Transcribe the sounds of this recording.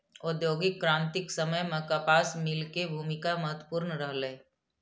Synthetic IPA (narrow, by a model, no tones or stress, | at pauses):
ʊd̪joːɡɪkːɾãːnt̪ɪksəməjmɐ̃kapaːsmɪlkebʱuːmɪkamɐɦət̪wəpuːɾnəɾəɦlẽː